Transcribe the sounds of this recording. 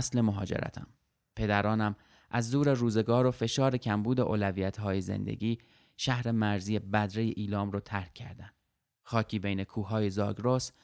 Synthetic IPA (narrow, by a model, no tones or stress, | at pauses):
sle̞moɦɒ̰ːd͡ʒḛɾæ̰t̪ʰæ̰m | pʰe̞d̪æɾɒːnæm | ʔæzd̪uːɾe̞ruːze̞ɡɒːɾo̞fe̞ʃɒːɾe̞cʰæmbuːd̪eʔo̰ːlævijæt̪ʰɦɒːje̞zḛnd̪ḛɟiː | ʃæhɾe̞mæɾziːjebæd̪ɾe̞jeʔiːlɒːmɾɒːt̪ʰæɾkʰːæ̰ɾd̪ænd̪̥ | xɒːkʰiːbejne̞kʰuːɦɒːjezɒ̰ːɡɾos